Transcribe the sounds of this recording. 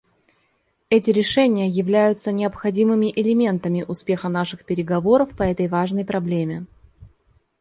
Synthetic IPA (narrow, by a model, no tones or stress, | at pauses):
ɛt̬ʲɪɾʲɪʂɛnʲɪjəjɪvlʲæjʊt̪sənʲɪɐpxɐdʲimɨmʲɪʔɪlʲɪmʲe̞nt̪əmʲɪʔʊspʲe̞xənaʂɨxpʲɪɾʲɪɡɐvo̞ɾəfpɐɛt̪əjvaʐnəjpɾɐblʲemʲɪ